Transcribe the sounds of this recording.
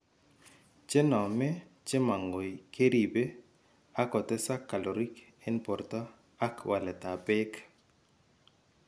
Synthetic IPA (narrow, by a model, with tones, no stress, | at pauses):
t͡ʃe˦nɔ˨mɛ˦t͡ʃɪ˦ma˨ŋɡo˨i˨ke˦ɾi˨be˦ | a˦kɔ˨tɛ˦sa˦kːa˨lo˨ɾi˦kɛ˦npɔ˨rtɔ˦ | a˦kwʔa˨lɛ˨ta˨bɛ˦k